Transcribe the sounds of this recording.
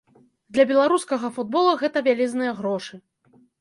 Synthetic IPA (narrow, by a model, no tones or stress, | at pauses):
d̪lʲɐbʲɛlˠaɾuskɐɣɐfud̪̚bɔlˠɐɣɛt̪ɐvʲalʲɛznɨjɐɣɾɔʂɨ